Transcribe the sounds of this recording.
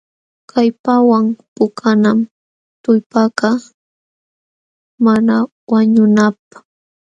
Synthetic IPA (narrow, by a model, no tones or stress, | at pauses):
kʰajpawaŋpʊkʰanam | t̪ʊjpakɑ | mana | waɲʊnap̚ḁ